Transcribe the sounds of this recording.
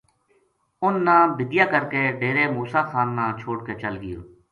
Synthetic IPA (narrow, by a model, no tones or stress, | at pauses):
ʊnːãːbɪd̪jaːkəɾkeːɖeːɾeːmuːsaːxʰaːnːãːt͡ʃʰoːɽkeːt͡ʃəlɡɪjo̰ː